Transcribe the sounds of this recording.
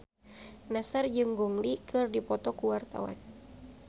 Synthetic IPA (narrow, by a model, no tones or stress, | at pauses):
nasard͡ʒɨŋɡɔŋlikɨrdipɔt̪ɔkuwart̪a̰wa̰n